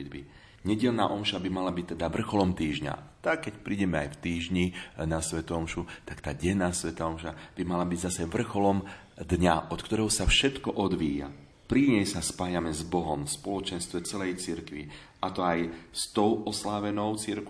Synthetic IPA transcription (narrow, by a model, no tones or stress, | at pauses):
d̪bi | ɲɛɟɛʎna̰ːʔɔmʃabimalabic̚t̪ɛd̪aʋr̩xɔlɔmt̪iːʒɲa̰t̪akːɛcpɾiːɟɛmɛa̰jft̪iːʒɲinasʋɛt̪ɔɔmʃut̪akt̪aːɟɛnaːsʋɛt̪aɔmʃab̥imalabiɟzasɛʋr̩xɔlɔm | d̪ɲaʔɔt̪kt̪ɔɾɛɦɔsafʃɛt̪kɔʔɔd̪ʋiːja̰ | pɾiɲɛjsaspaːjamɛzbɔɦɔmspɔlɔt͡ʃɛnst̪ʋɛt͡sɛlɛjt͡siɾkʋi | ʔat̪ɔajst̪ɔʊʔɔslaʋɛnɔʊt͡siɾk